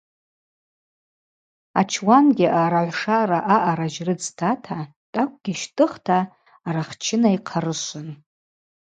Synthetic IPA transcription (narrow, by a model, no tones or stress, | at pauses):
a̰t͡ʃʰwanɡʲiʔaɾaʕʷʂaraʔaʔaɾaʒrɨd͡ztʰatʰa | tʼakʷʰʼɡʲiʃtʰʼɨχtʰaː | ɾaχt͡ʃʰɪnaiqʰaɾɨʃʷʊn